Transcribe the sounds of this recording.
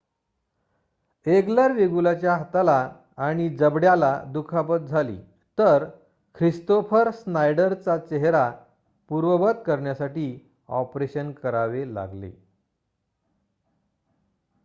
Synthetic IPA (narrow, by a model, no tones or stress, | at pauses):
eɡləɾʋeɡulat͡ɕjaɦat̪alaː | ɽ̃id͡zəbɽjalad̪ukʰapət̪̚d͡zʱalḭː | t̪əɾ | kʰɾist̪ofəɾsnajɖəɾt͡sat͡ɕeɦɾa | puɾʋəbət̪kəɾɳjasaʈiː | ɔ̰pɾeɕənkəɾaʋela̰ɡlḛ